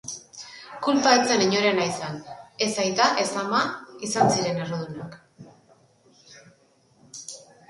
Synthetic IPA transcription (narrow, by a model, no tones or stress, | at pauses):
kulpaet͡se̞niɲo̞ɾe̞najsane̞sajt̪aʔe̞slamaisansiɾe̞ne̞roðunak